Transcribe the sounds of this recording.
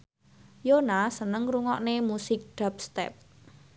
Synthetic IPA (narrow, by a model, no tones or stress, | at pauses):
jonasənəŋruŋɔʔnemusɪk̚ɖ̥a̤p̚st̪ɛ̰p̚